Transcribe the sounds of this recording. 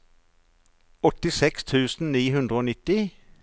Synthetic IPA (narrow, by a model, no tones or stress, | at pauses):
ɔt̪ɪsɛkst̪ʰʉːsn̩niːhʉnd̪ʁəoːnɪt̪ɪ